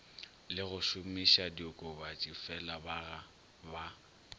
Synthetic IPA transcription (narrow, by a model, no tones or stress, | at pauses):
lɪɣʊʃʊmiʃadiʊkʼʊbat͡ʃʼifɛlabaɣa | ba